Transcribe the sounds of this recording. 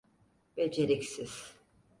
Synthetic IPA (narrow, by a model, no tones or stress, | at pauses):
b̥ed͡ʒeɾicsiz̥